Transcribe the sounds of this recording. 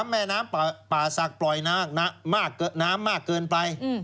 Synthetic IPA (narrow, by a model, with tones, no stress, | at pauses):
a˧˥mːɛː˧naː˦˥m˨paː˨˩sa˨˩k̚plɔ˨˩jnaː˦˥˩k̚na˦˥maː˥˩kːɤː˧naː˦˥mːaː˥˩kːɤː˧npa˧j